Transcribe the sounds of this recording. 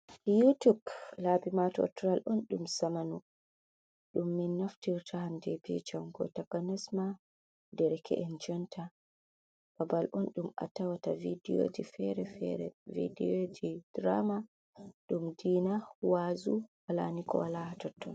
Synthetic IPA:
jutublabimatɔɔ̰tɾalʔɔnɗumsamanu | ɗumːinːaftiɾtʰahamdɛbḭt͡ʃamɡɔ̰takanɛsma | dɛɾɛkʰɛ̰ʔɛnd͡ʒɔntʰa | b̥abalʔɔnɗuma̰tawatavidio̰difɛɾɛfɾɛ̰vḭdiod͡ʒid̥ɾa̰ma | ɗumdiːnawazuwala̰nikɔ̰walahatɔtːɔ̰n

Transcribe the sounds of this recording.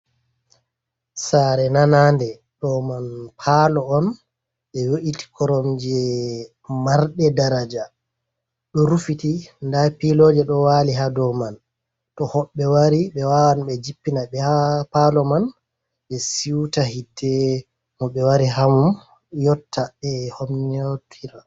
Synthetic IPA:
saɾɛnanandɛ | ɗɔmanpʰalɔɔn | ɓɛwoʔiti̥kʰɔɾɔmd͡ʒɛ | maɾɗɛdaɾad͡ʒa | ɗɔɾufitindapilɔːd͡ʒɛɗɔwaːliɦadɔman | tɔhɔɓːɛwaɾiɓɛwawanɓɛd͡ʒipːinaɓɛhapalɔman | ɓɛsiwtahidːɛ | mɔɓɛwaɾiɦamum | jɔtʰːaɛhomnotʰiɾa

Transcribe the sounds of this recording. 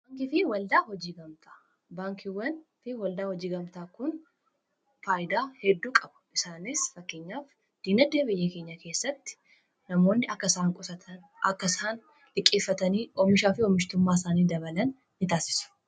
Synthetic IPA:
baːŋkɪfɪwɐld̪aːhɔd͡ʒiːɡɐmt̪ʰḁː | baːŋkʰɪwɐnfɪwɐld̪aːhɔd͡ʒiːɡɐmt̪aːkʊn | faːjɪd̪aːhɛd̪ːuːkʼɐbɐ̥ɪsaːnɪsfɐkːeːɲːaːf | d̪̥iːnɐd̪eːbɪjːɛkeːɲːɐke̞ːsːɐt̪ːɪ̥ | nɐmo̞ːnːɪɐkːɐsaːŋkʼʊsɐt̪ʰɐn | ʔɐkːɐsaːn | lɪkʼːeːfːɐt̪ɐniːʔɔmɪʃaːfɪɔmɪʃt̪ʊmːaːsaːniːd̪ɐβɐlɐnː | ɪt̪aːsɪ̥sʊ̥

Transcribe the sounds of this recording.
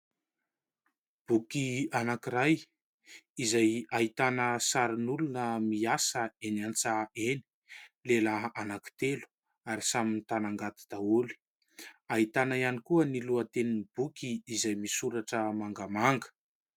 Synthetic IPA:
b̥ukianakiɾaj | izajaɦit̪anəsaɾinulunəmiasəenant͡saeni̥ | lelaanaki̥t̪elu̥ | aɾisaminit̪anaŋɡat̪i̥d̪̥auli̥ | aɦit̪anaianikuəniluət̪eninib̥ukiːzajmisuɾaʈ͡ʂəmaŋɡamaŋɡə̥

